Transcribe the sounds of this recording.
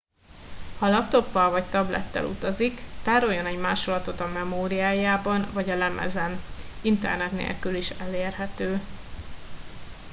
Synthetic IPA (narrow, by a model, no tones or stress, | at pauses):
hɒlɒp̚t̪o̞pːɒlvɒct̪ɒblɛ̰t̪ːɛ̰lṵt̪ɒzikt̪aːɾo̞jːo̞nɛɟmaːʃolɒt̪o̞t̪ɒmɛmoːɾijaːjaːbɒnvɒɟɒlɛmɛ̰zɛnint̪ɛ̰rnɛt̪nḛːlkyliʃɛleːrɦɛt̪øː